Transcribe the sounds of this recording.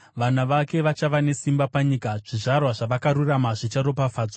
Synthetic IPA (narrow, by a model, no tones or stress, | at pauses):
ʋanaʋake̞ʋat͡ʃaʋane̞simbapaɲiːkaʐ̥iʐarwaʐaʋakaɾuramaʐit͡ʃaɾo̞pafaːd͡zo